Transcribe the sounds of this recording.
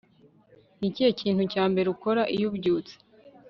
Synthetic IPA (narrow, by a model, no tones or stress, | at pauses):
nicijeciːn̥hucaːmbe̞ɾeuko̞ɾaʔijubɟuːt͡se̥